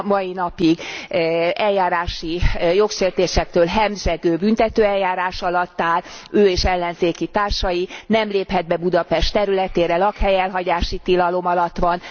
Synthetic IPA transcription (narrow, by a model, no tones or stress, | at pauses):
mɒinɒpiɡ | ɛljaːɾaːʃijo̞kʃeːrt̪eːʃɛk̚t̪øːlɦɛmʒɛɡøːbynt̪ɛt̪øːɛljaːɾaːʃɒlɒt̪ːaːløːeːʃɛlːɛnzeːkit̪aːrʃɒjinɛmleːphɛd̪̚bɛbud̪ɒpɛʃt̪ɛɾylɛt̪eːɾɛlɒkhɛjɛlɦɒɟaːʃit̪ilɒlo̞mɒlɒt̪ːʋɒn